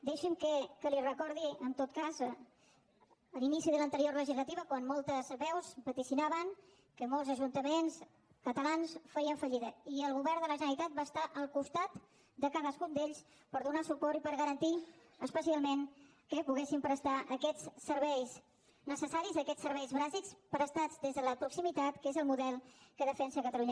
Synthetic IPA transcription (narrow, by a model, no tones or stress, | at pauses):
d̪ɛʃəmkəkəlirəkɔɾðiənt̪ot̪̚kazə | əlinisiðələnt̪əɾiorləʒizlət̪iβəkwanmɔlˠt̪əzβɛwspət̪isinaβəŋ | kəmolˠzəʒunt̪əmens | kət̪əlansfɛjəɱfəʎiðəiəlˠɣuβɛɾdələʒənəɾit̪at̪̚baːst̪aʔəlˠkust̪at̪ | d̪əkaðəskund̪eʎs | pəɾðunasupɔɾipəɾɣəɾənt̪i | əspəsialˠmen | kəpuɣesimpɾəst̪aʔəkɛt͡ssəɾβɛjz | nəsəsaɾizəkɛsːəɾβɛjzβazikspɾəst̪ad͡zd̪ezðələpɾuksimit̪at̪kezəlˠmuðɛlˠkəðəfɛnsəkət̪əluɲə